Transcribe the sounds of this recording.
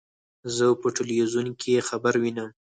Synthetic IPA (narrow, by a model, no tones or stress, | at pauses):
zəpəʈelwizunkʰeexabaɾwinəm